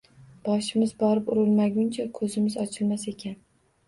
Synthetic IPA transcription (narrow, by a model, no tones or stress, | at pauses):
b̥ɒʃɪmɪzbɒɾɪpʊɾɪlˠmaɡʲʊnt͡ʃʰakʰɵzɪmɪzɒt͡ʃʰɪlmasekʲʰan